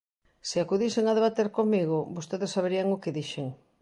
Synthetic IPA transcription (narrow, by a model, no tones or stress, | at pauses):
sɪakuðiseŋaðeβat̪eɾkomiɣʊbost̪eðɪsaβeɾiaŋʊkeðiʃeŋ